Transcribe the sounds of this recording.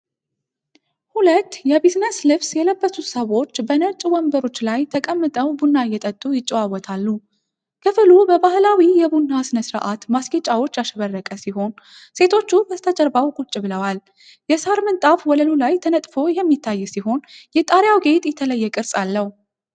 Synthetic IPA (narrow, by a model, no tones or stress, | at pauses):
hulət̪ːjɛβit̪nəslɨβsjɛləbːəsut̪səβo̞t͡ʃːbənət͡ʃʼwɔmbəɾo̞t͡ʃːlajt̪ʰəkʼəmːɨt̪ʼəwbunːajɛt̪ʼət̪ʼːujɪt͡ʃʼːɛwawɔt̪ʰalːu | kʰɨfɨlubəbahlawijɛbunːasɨnəsɨɾa̰ʔat̪masɡet͡ʃʼawo̞t͡ʃːjaʃɛβərːəkʼəsiho̞n | set̪ʰo̞t͡ʃːubəst̪ʰəd͡ʒəɾbawkʼut͡ʃʼːɪbɨləwal | jɛsaɾmɨnt̪ʼafwɔləlulajt̪ʰənət̪ʼfo̞jɛmːit̪ʰːajːɛsiho̞njɛt̪ʼaɾjawɡe̞t̪ʼjɛt̪ʰələjːɛkʼɨɾsʼalːəhu